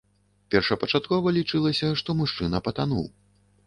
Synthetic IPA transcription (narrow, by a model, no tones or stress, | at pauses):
pʲɛrʂɐpɐt͡ʂat̪̚kɔvɐlʲit͡ʂɨlˠɐsʲɐʂt̪ɔmuʂt͡ʂɨnɐpɐt̪anṵw